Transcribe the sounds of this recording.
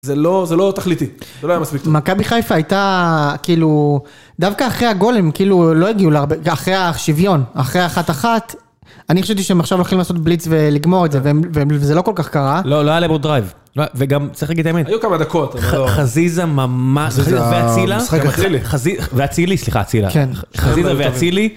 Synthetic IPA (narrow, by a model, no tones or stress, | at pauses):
zelozelo̞t̪aχlit̪ieloajamaspik̚makabiχajfaːjt̪akiːlu | d̪avkaːχʁeaɡo̞lemkiːlulo̞eɡiuleaʁbeaχʁejaʃivjo̞naχʁeaχat̪aχat̪ | anioʃevt̪̬iʃeemaχʃavloχimlaːsot̪̚blit͡sveliɡmo̞ʁedzevemvevezeloko̞lkaχkaʁaloloajalebod̪ʁajv | loveɡamt͡sʁiχlaɡid̚t̪aemenajukamad̪ɐkot̪aχazizamamaʃazzizaaveailaliχaziveat͡silisliχa̰ːt͡sila̰kenχazizaveaili